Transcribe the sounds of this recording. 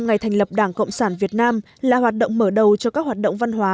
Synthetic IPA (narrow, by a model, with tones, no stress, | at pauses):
ŋa˨˩jt̪ʰjŋ̟lə˨˩p̚ɗaː˧˩ŋkə̰˧˨wŋ͡msaː˧˩nvi˨˩ət̚naː˧m | laː˨˩ɦwaː˨˩t̚ɗə̰˧˨wŋ͡mməː˧˩ɗə˨˩wt͡ɕɔ˧kaː˦˥k̚hwaː˨˩t̚ɗə̰˧˨wŋ͡mva˧nɦwaː˨˦